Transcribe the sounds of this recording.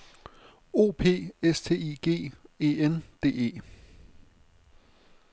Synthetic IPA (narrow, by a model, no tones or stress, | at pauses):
o̝̰ːpʰe̝̰ːest͡sʰe̝̰ːiːɡ̥e̝̰ːe̝ːend̥e̝̰ːe̝̰ː